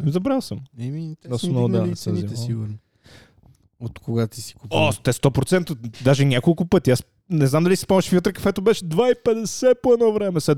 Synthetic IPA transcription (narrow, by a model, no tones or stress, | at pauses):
zɐbɾalˠsɐmɛminɔsnɔd̪anɛsɐziɛsiɡuɾn | ot̪koɡat̪isi̥kuɔt̪ɛst̪ɔpɾot̪sɛnt̪od̪aʒɛɲʲakolˠkʊpət̪ias | nɛznamd̪ɐlisi̥pɔmɛʃfiot̪ɾɐkɐ̥fɛt̪ɐbɛʃɛd̪vaipɛd̪ɛsɛpoɛnɔvɾɛmɛsɛ